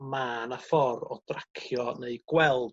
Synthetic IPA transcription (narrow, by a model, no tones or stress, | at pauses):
maːnafɔɾɔd̥rakʰjɔneɨɡ̥wɛlˠd